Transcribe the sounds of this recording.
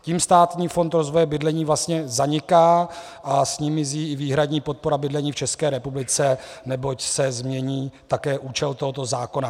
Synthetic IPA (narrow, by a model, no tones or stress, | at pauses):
ciːmst̪aːt̪ɲiːfo̞nt̪ɾo̞zvo̞jɛbɪdlɛɲiːvlast̪ɲɛzaɲɪkaː | ʔasɲimɪziːɪviːɦɾadɲiːpo̞t̪̚po̞ɾabɪdlɛɲiːft͡ʃɛskɛːɾɛpublɪt͡sɛnɛbo̞csɛzmɲɛɲiːt̪akɛːʔuːt͡ʃɛlt̪o̞ɦot̪o̞zaːko̞na